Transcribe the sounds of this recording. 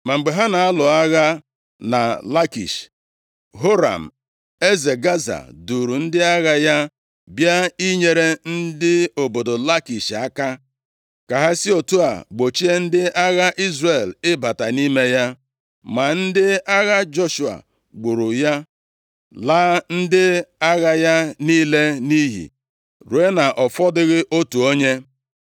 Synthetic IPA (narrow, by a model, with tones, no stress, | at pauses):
ma˨ŋ͡m̩˨ɡ͡be˨ɦa˦na˨a˦lʊ˨a˦ɣa˦ | na̰˨la˦kḭ˨ʃ | ɦo˦ɾa̰˨m̩˨ | e˦ze˨ɡa˦za̰˨du˨ɾu˨n̩˦dɪ˦a˦ɣa˦ja˦ | bja˦i˦ɲe˨ɾe˦n̩˦dɪ˦o˨bo˨do˨la˦ki˨ʃa˦ka˦ | ka˨ɦa˦si˦o˨tu˦a̰˨ɡ͡bo˨t͡ʃi˦e˦n̩˦dɪ˦ʔa˦ɣa˦ʔi˦zre˨lɪ˦ba˨ta˨ni˦me˦ja˦ | ma˨n̩˦dɪ˦a˦ɣa˦d͡ʒo˦ʃu˨a̰˨ | ɡ͡bu˨ɾu˨ja˦ | la˦n̩˦dɪ˦a˦ɣa˦ja˦niː˦le˦ni˦ɦḭ˨ | ɾu˨˦e˦na˨ʔɔ˨fɔ˦dɪ˦ɣɪ˦ʔo˦tu˨o˦ɲe˦